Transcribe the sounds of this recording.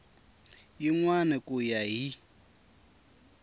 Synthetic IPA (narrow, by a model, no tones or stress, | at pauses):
jiŋwanɛkʼujaɦi